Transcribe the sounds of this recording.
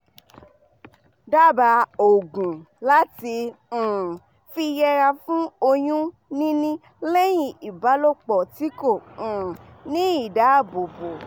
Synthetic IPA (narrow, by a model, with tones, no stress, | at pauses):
da˦˨ba˧o˨ɡũ˨ | la˦tĩ˧˨ | fi˧jɛ˧ɾa˧fũ˦o˧j̃ũ˦ | nĩ˦nĩ˦ | le˦j̃ĩ˧˨i˨ba˨˦lo˦k͡pɔ˨ti˨˦kõ˦˨nĩ˦i˦˨da˨˦˨bo˨bo˨